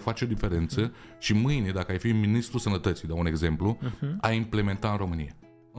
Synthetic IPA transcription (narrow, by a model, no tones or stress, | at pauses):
fat͡ʃeod̪ife̞ɾe̞nt̪səʃimɨjned̪akəajfiminist̪ɾusənət̪ət̪sijd̪aune̞ɡze̞mpluaimple̞me̞nt̪aɨnro̞mɨnija